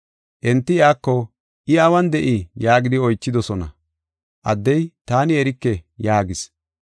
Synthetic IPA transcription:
ʔɛnt̪ːɪɪaːkːɔ | ʔɪɐwɐnd̪ɛʔɪjaːɡɪd̪ɪɔjt͡ʃːɪd̪ɔsɔnɐ̰ | ʔɐ̰d̪ːɛjt̪aːnɪɛɾɪkːɛjaːɡɪs

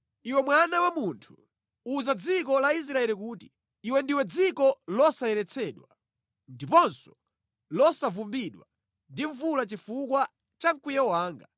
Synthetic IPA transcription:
iwɛmwanawamuntʰu̥ | uːzad͡zik̬ɔlais̬ɾaɛlikuːti̥ | iwɛndiwɛd͡zikɔlɔsajɛɾɛt͡sʰɛːɗwa | ndipɔnsɔ̥ | lɔsavumbiɗwa | ndiɱvulat͡ʃifukwa | t͡ʃaŋkujɛwaːŋɡa

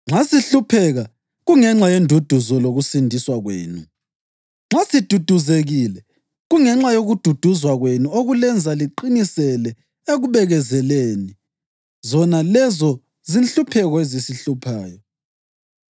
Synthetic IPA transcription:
ŋ͡ǁasiɬupʰɛɣa | ɣuŋɛŋ͡ǁajendʱud̥ʱuzɔloɣusindʱiswaɣwḛːnu | ŋ͡ǁʱasid̥ʱud̥ʱuzeɣilɛ | ɣuŋɛŋ͡ǁajoɣud̥ʱud̥ʱuzwaɣwenuoɣulɛnd͡zʱaliǃinisɛlɛ | eɣuβɛɣɛzɛleːni | zɔnalɛzɔ | zinɬupʰɛɣɔezisiɬupʰaːjɔ

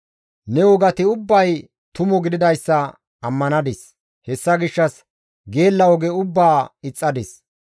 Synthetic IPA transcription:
nɛʊɡɐt̪ɪʊbːɐj | t̪ʊmɔɡɪd̪ɪd̪ɐjsːɐ | ɐmːɐnɐd̪ɪs | hɛsːɐɡɪʃːɐs | ɡe̞ːlːɐɔɡɛʊbːaːɪt͡sʼːɐd̪ɪs

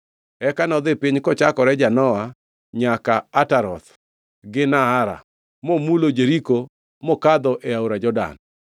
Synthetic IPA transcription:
ɛkanɔd̪ɪpiɲkɔt͡ʃakɔɾɛd͡ʒanɔa | ɲakaataɾɔt̪ | ɡɪnaaɾa̰ | momulod͡ʒeɾiko | mɔkad̪ɔʔeauɾad͡ʒɔda̰n

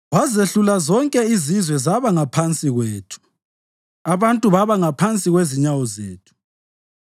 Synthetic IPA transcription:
wazeɬulazɔŋkʼɛizizwɛzaβaŋapʰant͡sʼiɣweːtʰu̥ | aβantʼuβaβaŋapʰant͡sʼiɣweziɲawɔzeːtʰu̥

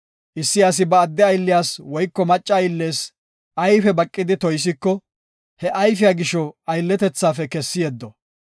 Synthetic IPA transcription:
ʔɪsːɪjaːs̬ɪbɐːd̪ːɛɐjlːɪjaːswɔjkːɔmɐt͡ʃʼːɐːjlːe̞ːs | ʔɐjfɛbɐkʼːɪd̪ɪt̪ɔjs̬ɪkːɔ | hɛʔɐjfɪjaːɡɪʃɔɐjlːɛt̪ɛt͡sːaːfɛkɛsːɪjeːd̪ːɔ

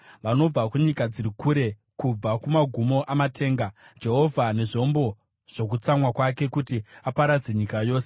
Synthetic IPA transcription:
ʋano̞b͡vakuɲikad͡ziɾikuːɾe̞ | kub͡vakumaɡʱumo̞ʔamatʰe̞ːŋɡad͡ʒe̞ɦo̞vʱane̞ʐo̞mbo̞ | ʐ̥o̞k̬ut͡samwakwake̞kutiapaɾad͡ze̞ɲikajo̞ːse

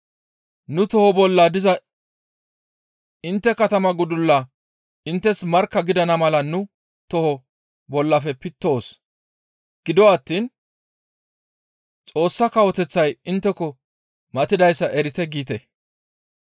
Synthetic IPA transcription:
nʊt̪ɔhɔbɔlːad̪ɪzɐ | ɪnt̪ːɛkɐt̪ɐmɐɡʊd̪ʊlːɐ | ɪnt̪ːɛsmɐɾkːɐɡɪd̪ɐnɐmɐlɐnʊ | t̪ɔhɔ | bɔlːɐfɛpɪt̪ːo̞ːs | ɡ̥ɪd̪ɔwɐt̪ːiːn | t͡sʼo̞ːsːɐkɐwɔt̪ɛt͡sːɐjɪnt̪ːɛkɔ | mɐt̪ɪd̪ɐjsːɐʔɛɾɪt̪ɛɡiːt̪ɛ

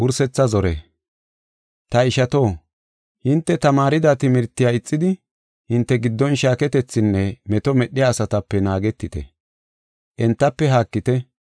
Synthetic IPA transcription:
wʊɾsɛt͡sːɐzɔɾɛ̰ | t̪ɐɪʃɐt̪o̞ː | hɪnt̪ːɛt̪ɐmaːɾɪd̪at̪ɪmɪɾt̪ːɪjaːɪt͡sʼːɪd̪ɪ | hɪnt̪ːɛɡɪd̪ːɔnʃaːkɛt̪ɛt͡sːɪnːɛmɛt̪ɔmɛɗːɪjaːsɐt̪ɐpːɛnaːɡɛt̪ːɪt̪ɛ̰ | ʔɛnt̪ːɐpːɛɦaːkːɪt̪ɛ

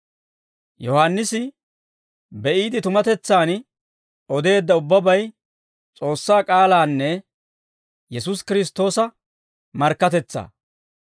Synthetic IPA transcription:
jɔhanːɪsɪ | bɛʔiːd̪ɪt̪ʊmɐt̪ɛt͡sːaːn | ɔd̪e̞ːd̪ːɐʊbːɐbɐj | t͡sʼo̞ːsːaːkʼaːlaːnːɛ | jɛsʊskɪɾɪs̬t̪ːo̞ːsɐ | mɐɾkːɐt̪ɛt͡sːa̰ː

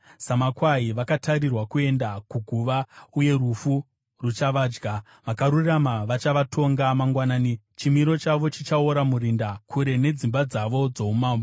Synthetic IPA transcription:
samakwaiʋakatʰaɾirwakue̞ndakuɡʱuʋauje̞rufu | rut͡ʃaʋaːd͡ʒɡa | ʋakaɾuramaʋat͡ʃaʋatʰo̞ŋɡamaŋɡwanaːnit͡ʃimiɾo̞t͡ʃaʋo̞t͡ʃit͡ʃaoɾamuɾindakʰuɾe̞ne̞d͡zimbad͡zaʋo̞d͡zo̞umaːmbo

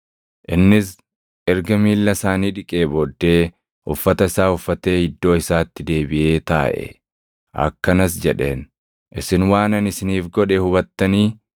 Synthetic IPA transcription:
ʔɪnːɪs | ʔɛɾɡɐmiːlːɐsaːniːᶑɪkʼeːbɔd̪ːe̞ː | ʊ̰fːɐt̪ɐɪsaːʊfːɐt̪e̞ːhɪd̪ːo̞ːɪsaːt̪ːɪd̪e̞ːbɪʔe̞ːt̪a̰ːʔɛ̰ | ʔɐ̰kːɐnɐsd͡ʒɛᶑḛːn | ʔɪsɪnwaːnɐnɪsɪniːfɡɔᶑɛhʊbɐt̪ːɐniː

